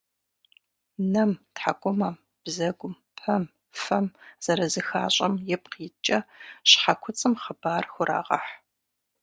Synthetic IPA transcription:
nɐmtħa̰kʷʼʊmɐ | b̥zɐɡʷʊm | pʰɐm | fɐmz̥ɐɾɐzɨxa̰ːɕʼɐmjɛp̚qit͡ʃʼɐɕħakʷʰʊt͡sʼɨmχəbaːrxʷʊɾʔa̰ːʁɐ̰ħ

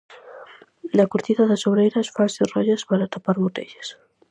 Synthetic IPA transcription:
d̪akuɾt̪iðaðasoβɾejɾasfaserɔʎaspaɾat̪apaɾβot̪ḛʎes

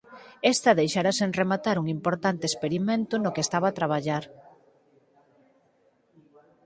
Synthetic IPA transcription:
ɛst̪ɐðejʃaɾasenremat̪aɾuŋimpoɾt̪ant̪espeɾimẽnt̪ʊnokeːst̪aβaːt̪ɾaβ̞aʎaɾ

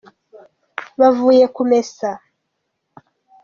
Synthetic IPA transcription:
βavujekumesa

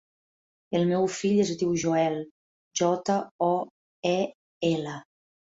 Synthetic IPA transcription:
elmɛwfiʎezd̪iwʒoɛl | ʒɔt̪aɔ | ɛ | ɛlə

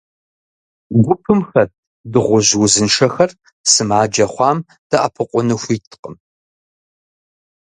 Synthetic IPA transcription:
ɡʷʊpʰɨmxɐt̚ʰ | dɨʁʷʊʑwʊzɨnʂɐxɐr | sɨmaːd͡ʒɐχʷɑːm | d̥ɐʔɐ̰pʰɨqʷʊnɨxʷiːtʰqəm

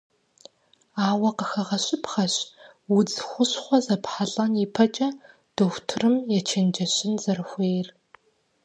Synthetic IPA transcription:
aːwɐqəxɐʁɐɕɪpʰχɐɕ | wʊd͡zxʷʊɕχʷɔzɐpħaɮʼɐnjipʰɐt͡ʃʼɐ | d̥oxʷtʰɨrɨmjɛt͡ʃʰend͡ʒɐɕɪnzɐrɨxʷeːjr

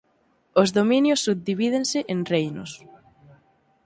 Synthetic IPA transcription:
ozðominjosːuβ̚d̪iβiðensɪʔenrejno̰s

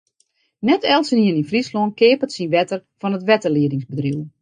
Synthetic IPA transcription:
nɛtʰɛlˠsəniəninfrislonkɪːpətsinʋɛtərfɔnətʋɛtərliədɪŋsbədriw

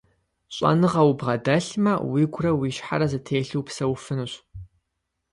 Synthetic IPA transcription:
ɕʼɐ̰nɨʁɐwbʁɐdɐɬmɐwiɡʷrɐwiʃħa̰ɾɐzɨtʰeːɬɨwpsɐwfɨnuɕ

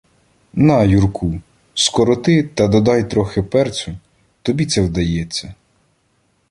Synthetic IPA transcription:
nɐjurkʰu | skɔɾɔt̪ɪt̪ɐd̪ɔd̪ɑjt̪ɾɔxɪpɛrt͡sʲʊ | t̪ɔbʲit̪sɛwd̪ɐjɛt͡sʲːɐ

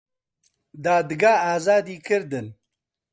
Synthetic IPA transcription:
d̪aːd̪ɨɡaːaːzaːd̪iːkʰɨɾd̪ɨn

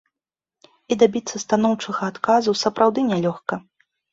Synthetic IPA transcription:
id̪abʲit̪sːɐst̪anɔwt͡ʂɨɣɐːt̪kazusɐpɾawd̪ɨnʲɛlʲɔxkɐ

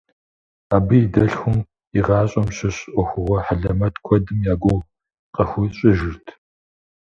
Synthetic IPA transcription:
aːbɨidɐɬxʷʊm | iʁɑːɕʼɐmɕɪɕʼʔʷɔxʷʊʁʷɔħaɮɐmɐtʰkʷʰɔdɨmjaːɡʷow | qɐxʷʊɕʼɪʒɪrtʰ

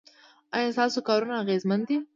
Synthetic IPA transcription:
ɑjɑ̃st̪ɑsokɑɾunaːɣezmand̪i

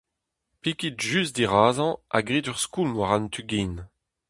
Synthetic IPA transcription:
pikitʒysd̪iʁaːzɑ̃a̰ɡʁidyʁskulmwaʁant̪ʰyɡiːn

